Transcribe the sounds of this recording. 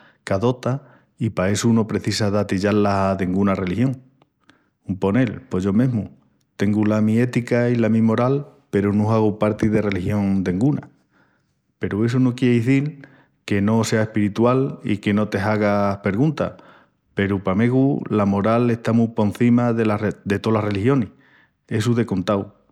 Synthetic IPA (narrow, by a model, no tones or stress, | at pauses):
kaðo̞t̪a | ipae̞suno̞pɾe̞θisaðat̪iʎallasaðeŋɡunare̞lixjo̞ŋ | umpo̞ne̞lpo̞ʝo̞mẽɦmu | t̪e̞ŋɡulamie̞t̪ikailamĩmo̞ɾalpe̞ɾunũaɣ̞upaɾt̪iðe̞re̞lihjo̞nd̪e̞ŋɡuna̰ | pe̞ɾue̞s̬unokjeðiθiɾ | ke̞no̞se̞ae̞hpiɾit̪walḭke̞no̞t̪e̞ɦaɣ̞ahpe̞ɾɣũnt̪a̰ | pe̞ɾupame̞ɣulamo̞ɾale̞ht̪amupo̞n̟θimaðelad̪e̞t̪o̞lare̞lihjo̞nih | e̞suðe̞kont̪aw